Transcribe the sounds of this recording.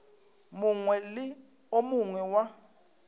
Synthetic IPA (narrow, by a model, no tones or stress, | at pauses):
muŋwɛlɪ | omuŋwɛwa